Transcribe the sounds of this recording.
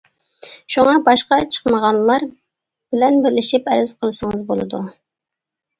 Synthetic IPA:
ʃuŋɑbɑʃqɑt͡ʃʰə̥χməʁɑnlˠːɑɾ | b̥ɪlɛnbɪɾlɪʃipɛɾɪz̥qʰəlˠɨsəŋɨzbolˠɨ̰d̪u

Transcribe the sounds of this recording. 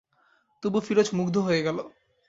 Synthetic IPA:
t̪ubufiɾot͡ɕʰmuɡd̪ʱoɦojeɡɛlo

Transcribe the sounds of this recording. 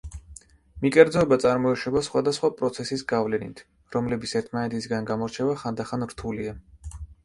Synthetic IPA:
mikʼɛɾd̪zɔɛbat̪sʼaɾmɔɛʃɛbasχwad̪asχwapʼɾɔt̪sʰɛsisɡavlɛnḭt̪ʰ | ɾɔmlɛbit̪sʰɛɾt̪ʰmanɛt̪ʰis̬ɡanɡamɔɾt͡ʃʰɛvaχand̪aχanɾt̪ʰulia

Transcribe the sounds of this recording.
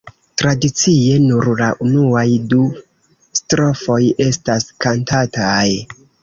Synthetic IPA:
tɾadit͡sije̞nuɾlaʔunuajdu | stɾo̞fo̞je̞staskantataj

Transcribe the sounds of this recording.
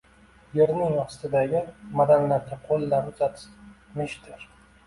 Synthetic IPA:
je̞ɾnɪŋɑχsɪ̥t̪ɪd̪aɡʲɪmad̪anlaɾd̪ʲʰaqʰolːaɾʊzat̪ʰɪ̥mɪʃt̪ʰɪɾ

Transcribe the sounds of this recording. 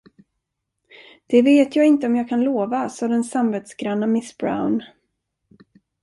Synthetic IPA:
d̪̥ɛveːt̪jɑːɪnt̪əɔmjɑːɡkʰanloːvasɔd̪ɛnsamveːt̪sɡɾanːamɪsbɾa̰ʊn

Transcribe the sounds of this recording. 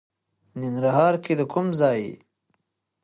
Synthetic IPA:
niŋɾaɦɑːɾkid̪əkʰʊmzɑːjḭ

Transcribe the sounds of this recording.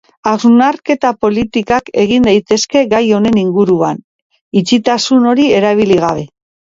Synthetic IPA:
aznaɾke̞t̪apo̞lit̪ikake̞̰ɣ̞ind̪ajt̪e̞ske̞ɡajo̞ne̞niŋɡuɾuan | it͡ʃit̪asuno̞ɾie̞ɾaβ̞iliɣ̞aβe̞

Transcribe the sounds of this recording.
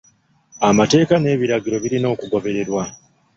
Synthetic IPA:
amate̞ːkane̞ːβiɾaɡiɾo̞βiɾino̞ːkuɡo̞βe̞ɾe̞ɾwa

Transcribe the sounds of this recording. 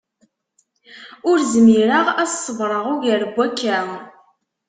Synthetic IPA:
ʊɾzmiɾəʁæssˤːəvɾˤəʁuʝæɾəbːækːæ

